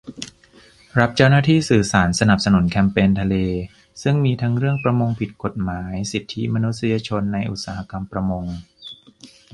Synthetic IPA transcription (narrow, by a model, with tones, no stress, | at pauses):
ɾa˦˥p̚t͡ɕa˥˩wnaː˥˩t̪ʰiː˥˩sɯː˨˩saː˩˦nsa˧na˨˩p̚sa˧nu˨˩˦nkʰɛː˧mpeː˧nt̪ʰa˧leː˧ | sɯ˥˩ŋmiː˧t̪ʰa˦˥ŋɾɯ˥˩əŋpɾa˧mo˧ŋpʰi˨˩t̪̚ko˨˩t̪̚maː˩˦jsi˨˩t̪ʰːi˦˥ma˧nu˦˥t̪̚si˧jaː˧t͡ɕʰo˧nːa˧jʔu˨˩t̪̚saː˩˦ha˦˧˥ka˧mpɾa˧mo˧ŋ